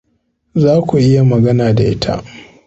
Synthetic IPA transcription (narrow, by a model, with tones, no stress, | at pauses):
zaː˦kʷu˨ʔɪ˦ja˨mɐ˨ɡɐ˦naː˨da˨ʔɪ˦tʰa̰˦ʔ